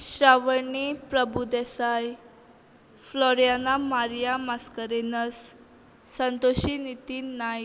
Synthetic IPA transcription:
ɕɾaʋəɾɳipɾəbud̪ɛsaj | flɔɾjanamaɾijamaskəɾenəsː | ə̃nt̪oɕinit̪iːnːaj

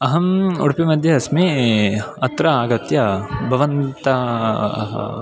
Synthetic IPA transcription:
ɐɦɐmṵɽpimɐd̪ʱjɐɐsmeːɐt̪ɾɐaːɡɐt̪jɐbʱɐʋɐnt̪ɐ̰ | ɦɐ̰

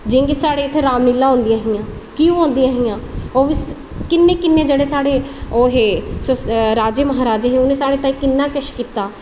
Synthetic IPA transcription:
d͡ʒɪ̃ːŋɡesaːɽeːɪt̪ʰːeɾaːmnɪlːaːɦõːnd̪ijaːɦɪjãː | kiũːɦõːnd̪iaːɦɪjãːoːʋis | kɪnːeːkɪnːeːd͡ʒeːɽeːsaːɽeːoːɦeːsɾaːd͡ʒeːməɦaːɾaːd͡ʒeɦeːʊnẽsaːɽeːt̪ãːiːkɪnːaːkəʃkiːt̪aː

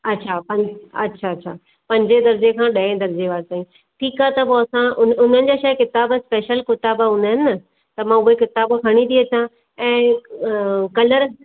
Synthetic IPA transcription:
ɐtːɕʰapɐ̃ɐtːɕʰaɐtːɕʰaː | pɐ̃ɲd͡ʑed̪ɐɾd͡ʑekʰãːɗɐẽd̪ɐɾd͡ʑeʋaːɾt̪aːĩ | ʈʰiːkat̪ɐpoɐsãʊʊn̤ənɪ̆d͡ʑaʃɐːjkɪt̪aːbspeːʃəlkɪt̪aːbɦʊ̃ːnd̪aɦɪnɪ̆ɐ | t̪ɐmãʊɦekɪt̪aːbkʰɐɽ̃it̪ʰiɐt͡ɕã | ɛ̃ː | kɐləɾ

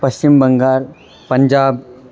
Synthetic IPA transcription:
pɐst͡ʃɪmbɐŋɡaːɾ | pɐ̃ɲd͡ʒaːb̚

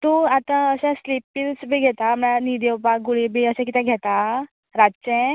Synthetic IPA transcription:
t̪uat̪ãəsɛ̃slipːilsbʱiːɡʱɛt̪amɭanid̪eupaɡuɭibʱiəsɛ̃kit̪ɛ̃ɡʱɛt̪a | ɾat͡ɕɛ̃

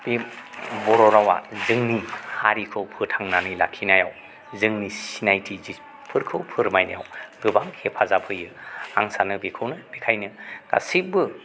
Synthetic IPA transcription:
b̥ebɔɾɔɾawa̰zɯŋnihaɾikʰɯwpʰɯtʰaŋnanɯjla̰kʰːinajaw | zɯŋnisinajtʰizi | pʰɯɾkʰɯwpʰɯɾmajna̰jawɡɯbaŋhepʰazapʰɯjɯa̰ŋsanɯbikʰɯwnɯb̥ekʰajnɯɡ̥a̰sibɯ

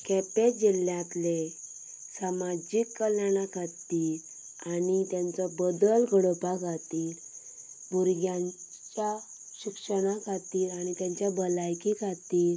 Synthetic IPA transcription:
kɛped͡ʑiljãt̪le | samad͡ʑikːəljaɽ̃akʰat̪iːl | anit̪jãnt͡sɔbəd̪əlɡəɽopaɡʱat̪iːl | bʱuɾɡjãɲ | t͡ɕja | ɕikʂəɽakʰat̪iːlaɽ̃it̪jãɲt͡ɕjabəlajkikʰat̪iːl

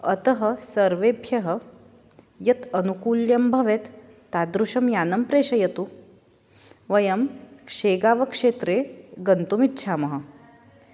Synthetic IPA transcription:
ɐt̪ɐɦɐsɐɾʋeːbʱjɐɦɐ | jɐt̪ɐnukuːljɐmbʱɐʋet̪ː | ad̪ɾuʂɐmjaːnɐmpɾeːʂɐjɐt̪u | ʋɐjɐmkʂeːɡaːʋɐkʂeːt̪ɾeɡɐnt̪umitːɕʰaːmɐɦɐ̆

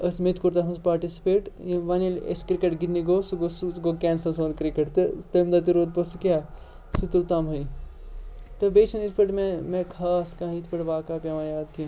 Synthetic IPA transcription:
ɐsmet̪kuɾt̪asɐnspaːɾʈisi̥peːʈʋanilḛskɾikeʈɡinnːiɡoːsuɡosɡokɛːnsɐsɐnkɾikɐʈt̪ɨt̪emd̪at̪̬iɾoːd̪̚posukjaː | sit̪uɾt̪aːmɦɐi | t̪ɐbeːt͡ʃʰɐnit̪ʰpɐʈmemẽkʰaːskãːit̪ʰpɐʈʋaːkaːpʲjaːʋãjaːd̪ki

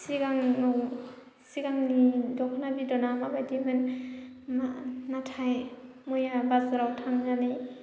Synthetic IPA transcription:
siɡaŋnɔ | siɡaŋnidɔkʰnabidɔnamabajdimɯn | manatʰaj | mujabazɾawtʰaŋnani

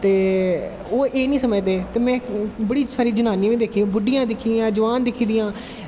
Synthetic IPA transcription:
t̪eː | oːʔeːnĩːsəməd͡ʒd̪eːt̪eːmɛ̃ːbəɽiːsaːɾiːd͡ʒənaːnĩːʋĩːd̪eːkʰĩːbʊɖɪijãːd̪ɪkʰiːd̪jãːd͡ʒəʋaːnd̪ɪkʰiːd̪ɪjãː

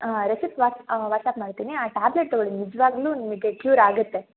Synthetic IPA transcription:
ɾesipʋaːʋaːʈsaːpmaːɽt̪iːniaːʈaːbleʈ̚t̪ɔɡɐɭinid͡ʒɐʋaːɡluːnimɐɡekluːɾaːɡut̪ːe̞

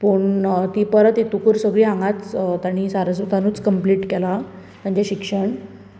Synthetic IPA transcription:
pəːɳt̪iːpəɾət̪et̪ukuɾsəɡɭiːɦãŋɡat͡st̪aɽ̃isaɾəsut̪anuːt͡skəmpliːʈkɛla | t̪jãɲt͡ɕaɕikʂəɳ

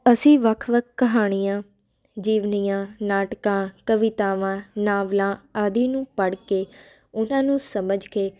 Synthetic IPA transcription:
əsĩːʋəkʰʋəkʰkəɦaːɽ̃ijãː | d͡ʒiːʋniːjãːnaːʈkãːkəʋɪt̪aːʋãːnãːʋlãːaːd̪iːnũːpəɽkeː | ʊnãːnũːsəməd͡ʒkeː

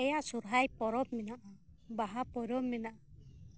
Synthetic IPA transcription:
ɛjaʔsuɾɦajpɔɾɔp̚minaʔɔbaɦapɔɾɔmminaʔɔ

